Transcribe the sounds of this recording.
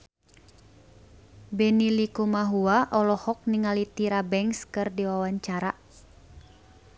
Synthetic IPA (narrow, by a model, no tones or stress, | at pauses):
bɛnilikumaɦuaʔɔlɔhɔk̚niŋalit̪iɾabɛŋskɨrdiwawaɲt͡ʃaɾa